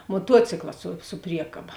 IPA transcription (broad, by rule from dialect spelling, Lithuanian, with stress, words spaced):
moːˈtuɔt͡sʲɪklˠɐ sʊ sʊ ˈpʲrʲiɛkɐbɐ